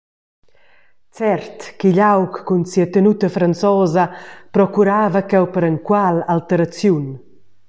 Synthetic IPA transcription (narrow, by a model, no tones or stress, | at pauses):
t͡sɛɾt̪kiʎawkːunsiat̪ənut̪əfɾansɔzapɾɔkuɾaːvakɛwpəɾəŋkwalalt̪əɾat͡sjun